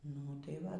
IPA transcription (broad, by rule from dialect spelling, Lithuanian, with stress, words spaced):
nʊ tɐɪ ˈʋɐ